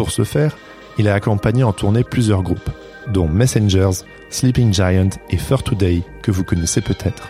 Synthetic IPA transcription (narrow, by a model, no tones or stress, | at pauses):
puʁsəfɛːʁ | ilaːkɔ̃paɲeɑ̃t̪ʰuʁneplyzjœʁɡʁup | d̪ɔ̃mɛsɛnʒɛʁz | slipiŋd͡ʒajɑ̃t̪efœʁt̪ud̪ɛjkəvukɔnɛsepøt̪ʰɛt̪χ